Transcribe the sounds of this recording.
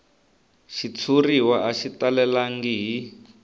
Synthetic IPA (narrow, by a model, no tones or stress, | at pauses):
ʃit͡sʰuriwaʔaʃitalɛlaŋɡiɦi